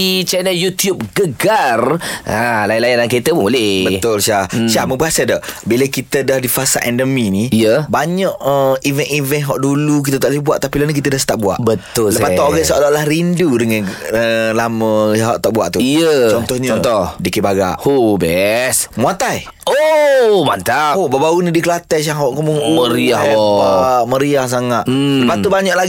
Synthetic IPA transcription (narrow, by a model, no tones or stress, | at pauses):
it͡ʃɛnəljut̪jup̚ɡəɡaralajinlajanlankit̪əbulɛbəʊlʃahʃamə̃baʔsədaʔbiləkit̪ədahdifasaʔɛndəminiijəbaɲaʔəivənivənɦɔʔduluk̬it̪ət̪aʔləibuaʔt̪apilanikit̪ədahsət̪aʔbua̰ʔbət̪ʊlləpat̪ɔʔoɣasəʔalɔʔlahɾindudəŋanəlaməɦɔ̰ʔt̪aʔbua̰ʔt̪uijət͡ʃɔnt̪ɔhɲɔnt̪ɔhdikibaɡa̰ʔobɛsmuat̪aj | omant̪aobabaunidikəlat̪ɛs̬aŋɦɔʔkəmuŋoməɾiahaʔməɾiahs̬aŋaʔ̪ləpat̪ubaɲɔʔlaɡi